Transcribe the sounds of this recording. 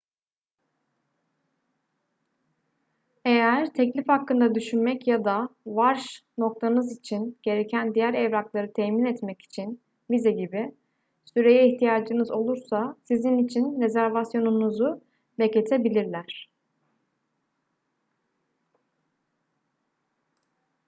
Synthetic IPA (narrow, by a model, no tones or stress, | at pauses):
e̞jæɾt̪ʰɛclʲifhakːɯnd̪ad̪yʃynmɛcjad̪avaɾʃno̞k̚t̪ʰanɯzit͡ʃʰinɟ̥e̞ɾe̞cʰænd̪ijæɾɛvɾaklˠaɾɯt̪ʰɛːminɛt̪mɛci̥t͡ʃʰin | vizɛɟibi | syɾe̞jɛiçt̪ʰijaːd͡ʒɯnɯzo̞lˠuɾsasizinit͡ʃʰinɾe̞zæɾvasjo̞nunuzu | beclʲet̪ʰebilʲiɾlʲæɾ̥